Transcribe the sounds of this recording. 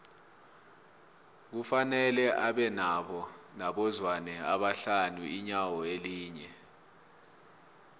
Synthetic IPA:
k̬ufanɛlɛʔaɓɛnaɓɔnaɓɔzwanɛaɓaɬanuiɲawɔeliːɲɛ

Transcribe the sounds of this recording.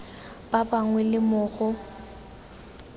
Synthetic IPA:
b̥abaŋwɛlɪmʊːɣʊ

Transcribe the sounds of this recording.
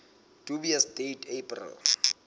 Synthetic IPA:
tubiasdetʰepʼrɛ̰l

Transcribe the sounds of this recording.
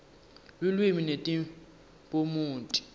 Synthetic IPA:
lulwiminetʼi | pʼomuːntʼi̥

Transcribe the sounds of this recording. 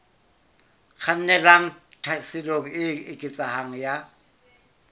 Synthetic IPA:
k͡xʰan̩nɛlaŋ̩tʰasɪloŋ̩ɪɪkʼɪt͡sʼahaŋ̩ja

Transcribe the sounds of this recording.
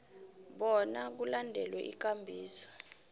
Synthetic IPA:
ɓɔnak̬ulandʱɛlwɛʔḭk̬ʼambʱiːsɔ̥

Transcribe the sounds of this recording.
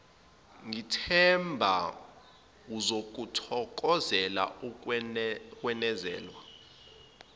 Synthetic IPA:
ŋitʰɛmbʱa | uzok̬ʼutʰɔk̬ʼɔzɛla̰ | kʼwɛnɛzɛ̰ːlwa

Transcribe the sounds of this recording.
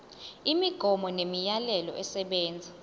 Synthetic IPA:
imiɡ̥ʱɔmɔnemijalɛlɔ̰ʔɛsɛɓɛːnd͡zʱa

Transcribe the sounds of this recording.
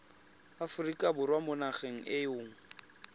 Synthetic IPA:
afʊrikʼabʊrwamʊnaχeŋ̩ɪjʊːŋ̩

